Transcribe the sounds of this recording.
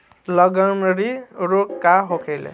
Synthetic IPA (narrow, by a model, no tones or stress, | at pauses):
lʌɡʌnɾiɾokːaɦokʰelḛ